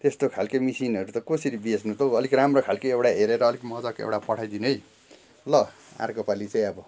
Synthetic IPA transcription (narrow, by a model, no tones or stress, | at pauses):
t̪est̪okʰalkemisinʌɾut̪ʌkosiɾibesnut̪oʌlikramrokʰalkeewɽaɦeɾeɾʌːlikmʌd͡zʌkḛwɽapʌʈʰajd̪inj | lʌ | a̰rkopalit͡sãj̃ʌbʌ